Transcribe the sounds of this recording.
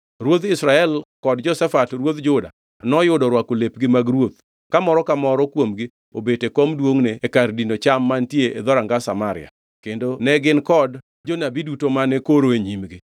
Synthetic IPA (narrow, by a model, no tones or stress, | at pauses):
ɾwot̪ɪsɾaɛlkɔdd͡ʒɔsɛfatrwot̪d͡ʒʊda̰ | nɔjʊdɔɾwakolepɡɪmaɡɾwot̪̚ | kamɔɾɔkamɔɾɔkwomɡɪ | obetekɔmdwoŋneːkardinot͡ʃamːantjeed̪ɔɾaŋɡasamaɾɪ̰a̰ | kendonɛɡɪnkɔd | d͡ʒonabidutomanɛkoɾoeɲimɡɪ